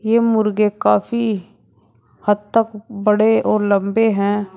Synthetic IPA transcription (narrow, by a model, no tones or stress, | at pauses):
jeːmʊɾɡekaːfi | hɐd̪̚t̪əkbɐɽeɔːɾlɐ̃mbeɦɛ̃ː